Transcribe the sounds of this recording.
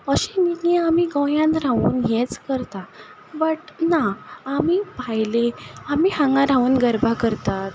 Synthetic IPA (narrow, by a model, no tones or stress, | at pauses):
əɕẽniɡẽamiɡəjãnɾauːnjet͡skəɾt̪a | bəʈnaamiːbʱajleamiːhãŋɡãɾãuːnɡəɾbʱakəɾt̪at̪